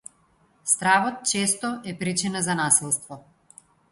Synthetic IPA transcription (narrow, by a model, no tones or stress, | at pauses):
st̪ɾavɔt̪̚t͡ʃɛst̪ɔʔɛpɾit͡ʃinazanasilˠst̪vɔ